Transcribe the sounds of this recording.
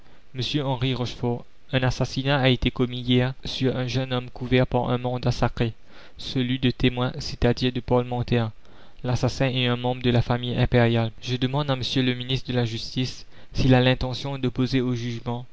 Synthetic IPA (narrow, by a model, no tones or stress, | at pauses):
məsjøɑ̃ʁiʁɔʃfɔʁ | ɛ̃nasasinaaet̪ekɔmijɛʁsyʁɛ̃ʒənɔmkuvɛʁpaʁɛ̰̃mɑ̃d̪asakχe | səlɥid̪ət̪emwɛ̃set̪ad̪iʁd̪əpɔlmɑ̃t̪ɛʁ | lasasɛ̃ɛɛ̃mɑ̃bʁəd̪əlafamijɛ̃peʁjalʒəd̪əmɑ̃d̪aməsjøləminist̪χəd̪əlaʒyst̪isː | ilalɛ̃t̪ɑ̃sjɔ̃d̪opozeoʒyʒmɑ̃